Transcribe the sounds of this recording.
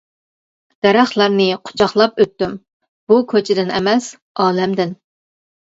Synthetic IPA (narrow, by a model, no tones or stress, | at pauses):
d̪̥ɛɾɑχlˠɑɾnɨqʰʊ̥t͡ʃʰɑχlˠɑpøt̪ːym | b̥ukʲʰøt͡ʃʰɪd̪ɪnɛmɛs | ɑːlɛmd̪ɪn